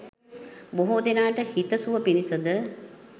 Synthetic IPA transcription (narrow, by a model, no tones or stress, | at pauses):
boɦud̪enaːʈəhit̪əsuʋəpinisəd̪ə